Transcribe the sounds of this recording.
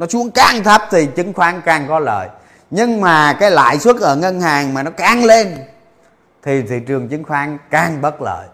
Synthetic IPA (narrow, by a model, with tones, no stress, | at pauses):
nɔ˨˦su˧˦˥əŋkaː˧˩ŋt̪ʰə˦˥p̚t̪ʰi˨˩t͡ɕɨ˨˦ŋxwaː˨˦ŋkaː˨˩ŋkɔ˨˦lə̰ː˧˨j | ɲɨ˧ŋmaː˨˩kaː˨˦jla̰ː˧˨jswə˦˥ət̚ʔəː˧˩ŋə˧nhaː˨˩ŋmaː˨˩nɔ˨˦kaː˧˩ŋle˧n | t̪ʰi˨˩t̪ʰḭ˧˩t͡ɕɨ˨˩əŋt͡ɕɨ˨˦ŋxwaː˨˦˥ŋkaː˨˩ŋɓə˦˥t̚lə̰ː˧˨j